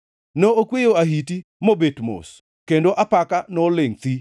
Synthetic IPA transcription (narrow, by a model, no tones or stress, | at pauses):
nookwejoaɦitimobetmo̰s | kendoʔapakanɔlɪŋt̪i